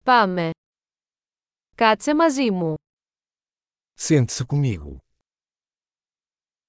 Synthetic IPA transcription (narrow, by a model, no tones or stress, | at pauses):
pame | kat͡semɐzimu | sẽnt̪sɨkumiɣṵ